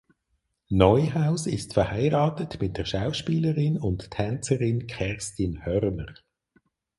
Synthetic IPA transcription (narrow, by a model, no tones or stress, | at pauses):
nɔjɦaʊsɪstfɛhaɪʁɑːtətmɪt̚d̥əʃaʊʃpiːləʁɪnʊnttʰːɛnt͡səʁɪnkʰɛʁstinhœʁnəʁ